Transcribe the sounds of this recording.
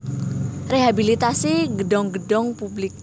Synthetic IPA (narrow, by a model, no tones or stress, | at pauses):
reɦabilit̪asiɡəɖɔŋɡəɖɔŋpublɪk̚